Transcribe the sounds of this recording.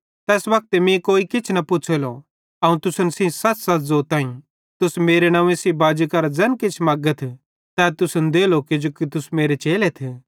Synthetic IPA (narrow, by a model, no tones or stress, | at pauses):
t̪ɛːsbɐk̚t̪emĩkoːikɪt͡ʃʰnɐpʊt͡ʃʰelo | ɐũt̪ʊsənsĩsɐtsɐt̪ʰzoːɾt̪ãːĩ | t̪ʊsmeːɾenãːʋẽsibaːd͡ʒukɐɾad͡zɐnkɪt͡ʃʰmaːɡət̪ʰ | t̪ɛːt̪ʊsənd̪eːlokid͡ʒoːkit̪ʊsmeːɾet͡ʃeːlet̪ʰeː